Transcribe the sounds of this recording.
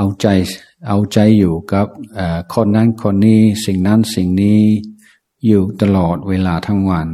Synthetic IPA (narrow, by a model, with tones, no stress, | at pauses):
ʔa˧wt͡ɕa˧j | ʔa˧wt͡ɕa˧jːuː˨˩ka˧˥˩p̚ʔaː˨˩kʰo˧˥nːa˧˥˨nkʰo˧˥nːiː˧˥˩si˨˩ŋna˦˥˨nsi˨˩ŋniː˦˥ | juː˨˩t̪a˧lɔː˨˩t̪̚weː˧laː˧t̪ʰa˦˥˩ŋwa˧n